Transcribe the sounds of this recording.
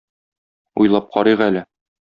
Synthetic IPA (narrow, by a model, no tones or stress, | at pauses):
ujlˠɑp̚qʰɒɾiʁælɘ